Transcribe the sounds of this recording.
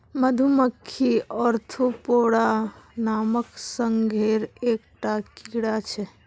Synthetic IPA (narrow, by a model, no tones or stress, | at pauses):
məd̪ʱuməkʰːiɔɾt̪ʰopoɽanaməksəŋɡʱeɾeːkʈakiɽat͡ʃʰɛ